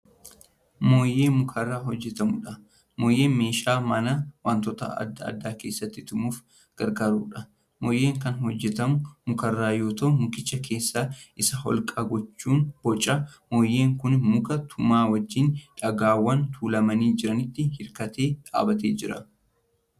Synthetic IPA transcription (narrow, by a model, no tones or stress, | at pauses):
moːje̞ːmʊkʰɐrːaːɦɔd͡ʒːɛt̪ɐmʊᶑɐ | moːjːe̞ːnme̞ːʃaːmɐnɐwaːnt̪ɔt̪ɐ̰ɐ̰d̪ːɐɐ̰d̪ːaːke̞ːsːɐt̪ːɪt̪ʊmuːf | ɡ̥ɐɾɡaːɾuːᶑɐ | moːjːe̞ːŋkɐnɦɔd͡ʒːɛt̪ɐmʊmʊkɐrːaːjo̞ːt̪ɐʔʊmʊkɪt͡ʃːɐkʰe̞ːsːaːʔɪsɐhɔ̰lkʼaːɡɔt͡ʃːuːnb̥ɔt͡ʃʼːɐmoːjːeːŋkʊnmʊkɐt̪ʰʊmaːwɐd͡ʒːiːnᶑɐɡaːwːɐnt̪ʰuːlɐmɐniːd͡ʒɪɾɐnɪt̪ːɪhɪɾkɐt̪e̞ːᶑa̰ːbɐt̪eːd͡ʒɪɾɐ